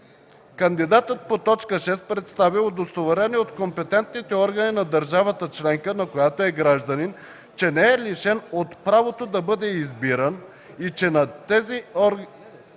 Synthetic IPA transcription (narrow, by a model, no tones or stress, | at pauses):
kənd̪id̪at̪ət̪̚pot̪ɔt͡ʃkəʃɛst̪̚pɾɛt̪st̪avilˠd̪ost̪ovɛɾɛniot̪kompɛt̪ɛnt̪nit̪ɛɔɾɡəninɐd̪əɾʒavət̪ət͡ʃlɛŋkənɐkojat̪oɛɡɾaʒd̪ɐnin | t͡ʃɛnɛɛliʃɛnot̪pɾavot̪od̪ɐbɤd̪ɛizbiɾən | it͡ʃɛnɐt̪ɛziɔ